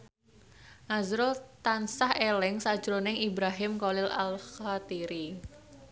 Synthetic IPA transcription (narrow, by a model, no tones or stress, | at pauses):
ʔazɾʊlt̪ansahelɪŋsḁd͡ʒɾonɪŋibɾaɦɪmkolɪla̰lxat̪iɾi